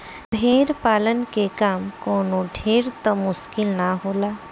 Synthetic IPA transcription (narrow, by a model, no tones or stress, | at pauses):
bʱeːɾpaːlənkekaːmkoːnoɖʱeːɾt̪ɔmʊskɪlnaɦoːlaː